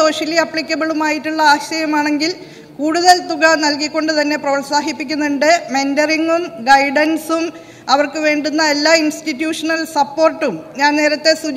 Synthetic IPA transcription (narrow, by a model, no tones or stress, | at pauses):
o̞ːɕɐliɐpːɭikʲːɐbiɭumaːjiʈːuɭːɐaːɕɐjɐmaːɳe̞ŋɡil | kuːɽuðɐlt̪uɣanɐlkikʲːo̞ɳɖɨt̪ɐnːe̞prɐʋɐɭsaːɦipːikʲːunːuɳɖɨmendɐriŋɡumɡɐjɖɐnsum | ɐʋɐrkɨʋe̞ːɳɖunːɐe̞lːaːinsʈitːjuːʂɐnɐlsɐpːo̞ːrʈːumɲaːnne̞ːɾɐt̪ːe̞sud͡ʑ